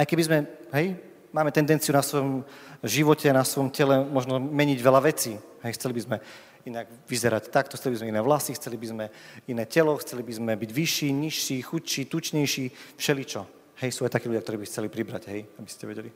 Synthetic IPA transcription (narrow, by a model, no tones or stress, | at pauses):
ajkɛbizmɛɦɛj | maːmɛt̪ɛnd̪ɛnt͡siunasʋɔjɔmʒiʋɔcɛnasʋɔjɔmcɛlɛmɔʒnɔmɛɲiɟʋɛlaʋɛt͡siːɦɛjxt͡sɛlibizmɛ | inaɡ | ʋizɛɾact̪ak̚t̪ɔxt͡sɛlibizmɛinɛːʋlasixt͡sɛlibizmɛinɛːcɛlɔxt͡sɛlibizmɛbiɟʋiʃiːɲiʃːiːxucʃiːt̪ut͡ʃɲɛjʃiːfʃɛlit͡ʃɔ | hɛjsuːajt̪akiːluɟjakt̪ɔɾiːbixt͡sɛlipɾibɾa̰ɟɦɛjabiscʲɛ̰ʋɛɟɛli